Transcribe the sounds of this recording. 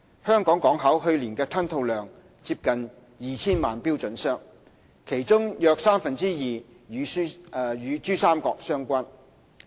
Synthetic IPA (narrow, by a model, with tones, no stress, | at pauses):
hœː˥ŋkɔː˨˥ŋkɔː˨˥ŋɦɐ˨˥wɦɵ˧ɥliː˨˩nkɛː˧t̪ʰɐ˥nt̪ʰo˧wlœː˨ŋ | t͡si˧p̚kɐ˨n | jiː˨˧t͡sʰiː˥nmaː˨npi˥wt͡sɵ˨˥nsœː˥ŋ | kʰe˨˩jt͡sʊ˥ŋjœː˧k̚saː˥mfɐ˨nt͡siː˥jiː˨ | jyː˨˧˥jyː˨˧t͡ʃyː˥saː˥mkɔː˧k̚sœː˥ŋkʷa˥n